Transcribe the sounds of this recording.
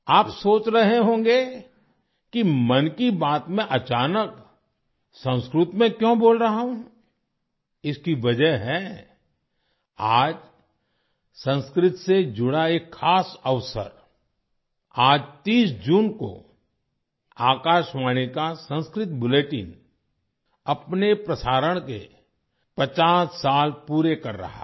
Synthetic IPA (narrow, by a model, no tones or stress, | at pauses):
aːpsoːt͡ʃɾɐɦeɦõːɡe | kimɐnkibaːt̪mẽʔɐt͡ʃaːnək | sə̃nskɾʊt̪mẽkjõboːlɾəɦaɦũ | ɪskiʋɐd͡ʒəɦɛ | aːd͡ʒ | sə̃nskɾɪt̪sed͡ʒʊɽaeːkʰːaːsəʋsə̰ɾ | aːd͡ʒt̪iːsd͡ʒuːnko̰ | aːkaːʃmaːɽ̃ikasə̃nskɾɪt̪bʊleːʈɪ̰n | ɐpnepɾɐsaːɾəɽ̃kḛ | pət͡ʃaːsːaːlpuːɾekɐɾːɐ̰ɦa̰